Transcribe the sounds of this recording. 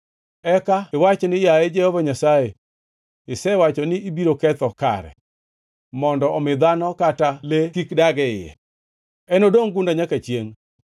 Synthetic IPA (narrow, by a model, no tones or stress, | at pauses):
ɛkaɪwat͡ʃnɪjaed͡ʒɛhɔvaɲasae | ɪsɛwat͡ʃɔnɪibiɾokɛt̪ɔka̰ɾɛ̰ | mɔndɔɔmɪd̪anɔkatalekikdaɡɛɪjɛ̰ | ɛnodoŋɡundaɲakat͡ʃjeŋ